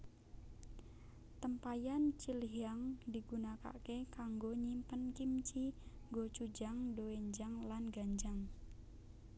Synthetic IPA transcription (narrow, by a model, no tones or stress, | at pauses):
t̪əmpajant͡ʃilɦaŋdi̤ɡ̥unaka̰kekaŋɡoɲimpənkimt͡ʃiŋɡot͡ʃud͡ʒaŋdoweɲd͡ʒaŋlanɡaɲd͡ʒaŋ